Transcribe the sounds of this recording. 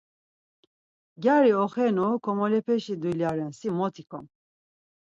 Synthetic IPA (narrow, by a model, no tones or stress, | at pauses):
ɡʲjaɾiɔχɛnukʰɔmɔlɛpʰɛʃid̪uljaɾɛnsimɔt̪ʰikʰɔ̰m